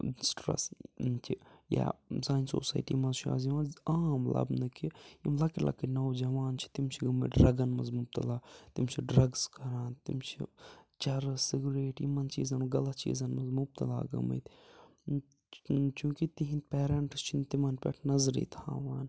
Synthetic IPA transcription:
sʈɾɐ̰st͡ʃʰija̰zaːinso̰ːsa̰ːjʈḭmɐzʃa̰ːziʋãːnaːmlɐ̰bnɨkʰiimlɐkilʔɐ̰kinɐːwd͡ʒɐʋaːnt͡ʃʰi̥t̪imt͡ʃʰiɡɐmɐ̰ɖɾɐɡɐnmɐzmʊb̚t̪ɐlaːt̪imt͡ʃʰiɖɾɐɡzkɐɾãːnt̪ḭmt͡ʃʰḭt͡ʃɐɾsɪɡuɾeːʈimɐnt͡ʃḭːzɐnɡɐlɐt̪t͡ʃḭːzɐnmɐzmʊb̚t̪ɐla̰ːɡɐ̰mɐ̰t̪ | t͡ʃũːkit̪iɦĩnpɛːɾɐɳʈst͡ʃʰint̪imɐnpɛ̰ʈʰnɐzɾḭːt̪ʰãːʋaːn

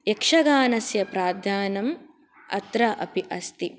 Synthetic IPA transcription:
ekʂɐɡaːnɐsjɐpɾaːd̪ʱjaːnɐm | ɐ̰t̪ɾɐʔɐ̰piʔɐst̪i

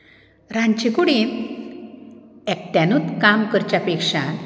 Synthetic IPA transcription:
ɾãɲt͡ɕikuɽi | ɛk̚ʈjãnut̪kamkəɾt͡ɕjapekʂa

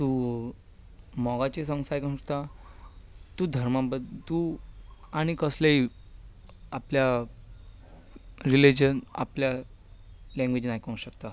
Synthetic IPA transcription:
t̪u | mɔɡat͡ɕesə̃ŋsajknuɾt̪a | t̪ud̪ʱəɾmãbəd̪t̪u | aɽ̃ikəslei | aplja | ɾilid͡ʑəna̰plja | lɛ̃ŋɡʋed͡ʑnajkɔ̃ŋɕəkt̪a

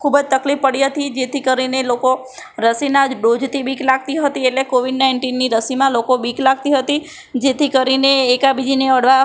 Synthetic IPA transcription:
kʰubd͡ʒt̪əklifːəɽiɦət̪id͡ʒet̪ʰikəɾineloko | ɾəsinad͡ʒɖod͡ʒt̪ʰibiklaɡ̚t̪iɦət̪ieʈlekoʋiɖnaɪɳʈinːiɾəsimãlokobiklaɡ̚t̪iɦət̪i | d͡ʒet̪ʰikəɾineːkabid͡ʒineəɽʋa

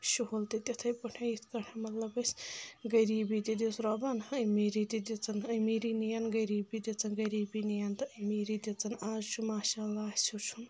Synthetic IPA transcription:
ʃuholt̪it̪ʲɐt̪ʰɐjpɐʈʰɐjit̪ʰkɐʈʰɐmɐt̪lɐbɐsʲɡɐɾiːbid̪ʲid̪ʲisʰɾɐbɐnɐmiːɾid̪ʲid̪ʲit͡sɐnɐmiɾinijɐnɡɐɾiːbid̪ʲit͡sɐnɡɐɾiːbinijɐnt̪ɐʔɨmiːɾid̪ʲit͡sɐnaːzt͡ʃʰumaːʃaːlːaːsut͡ʃʰun

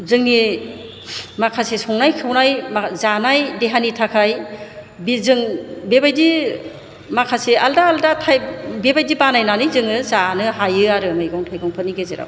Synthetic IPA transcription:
zɯŋni | makʰasesɔŋnajkʰɯwnajmazanajdeɦanitʰakʰaj | bizɯŋbebajdi | makʰasealdaːldatʰajbebajdibanajnanɯjzɯŋɯzanɯɦajɯaɾɯmɯjɡɔŋtʰajɡɔŋpʰɯniɡezeɾa̰w

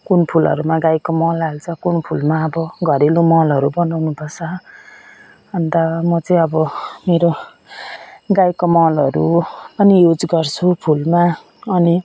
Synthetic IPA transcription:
kunpʰulʌ̰ɾumaɡajkomʌlalt͡sʰʌkunpʰulmaʌbʌɡʱʌɾelumʌlʌɾubʌnawnupʰʌt͡sʰʌ | ʌnd̪ʌmʌt͡sʌĩʌbʌmeɾo | ɡajkomʌlʌɾuʌnijud͡zɡʌrt͡sʰupʰulma | ʌni

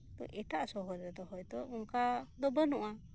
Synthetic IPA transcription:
t̪ɔ̰ʔɛt̪aʔsɔɦɔɾd̪ɔt̪ɔhɔjt̪ɔuŋkad̪ɔbənɔʔa

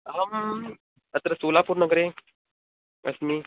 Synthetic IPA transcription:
ɦəm | ət̪ɾəsolapuːɾnəɡɾe | ə̰smiː

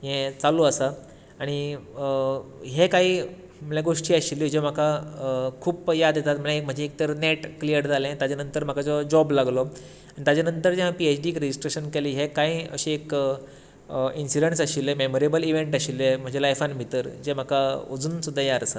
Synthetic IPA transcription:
jẽt͡saluəsa | aɽ̃i | ɦekaɦiː | m̤əlãɡoʂʈiːaɕilːed͡ʑem̤akakʰuːpjad̪jet̪at̪m̤əlẽm̤əɳd͡ʑeːk̚t̪əɾneʈklijəɾd͡zalẽt̪jad͡ʑanənt̪əɾm̤akat͡sɔd͡ʑɔblaɡlɔ | aɽ̃it̪jad͡ʑanənt̪əɾd͡ʑẽɦãpiet͡ɕɖikɾed͡ʑisʈɾeɕənkɛliɦekaɦiə̰ɕiek | insiɖeɳʈsaɕilẽmemoɾebəliʋeɳʈaɕilːem̤əɳd͡ʑelajfanbʱit̪əɾd͡ʑem̤akaod͡zuːnsud̪ʱːajaɾsa

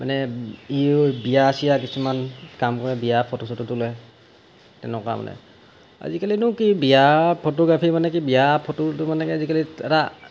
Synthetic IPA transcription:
manɛibijasijak̬isumankamkɔɹɛbijapʰotosɔtutʊlɛ | tɛ̰nɛkɔa̰ma̰nɛ̰ | a̰zikalinʊkibijapʰotɔɡɹapʰimanɛkibijapʰototʊmanɛkiazikaliɛta

